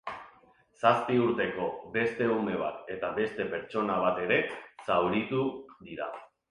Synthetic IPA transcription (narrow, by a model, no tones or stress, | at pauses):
saspiuɾt̪e̞ko̞be̞st̪e̞ume̞β̞a̰t̪e̞t̪aβe̞st̪e̞pe̞ɾt͡ʃo̞naβ̞at̪e̞ɾe̞sawɾit̪uðiɾa